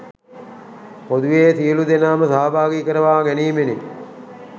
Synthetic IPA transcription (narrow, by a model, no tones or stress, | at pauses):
hod̪uʋeːsiəlud̪enaːməsaːbʱaːɡiːkəɾəʋaːɡæniːmene